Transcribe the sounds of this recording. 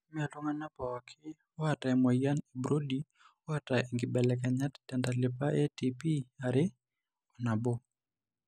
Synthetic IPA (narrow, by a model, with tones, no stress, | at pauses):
mi˦a˨lu˦ŋa˦na˦pa˨wa˨kʰɪ˦ | wa˨ta˨ɛma˨ja˦ni˨bɾo˦di | wa˦tai˨ŋɡɪ˨ɓɛlɛ˨ka˨ɲa˦ttandalɪ˨pa˦ʔɛ˦tipi˦aɾɪ˦ | ɔ˨na˨bo˦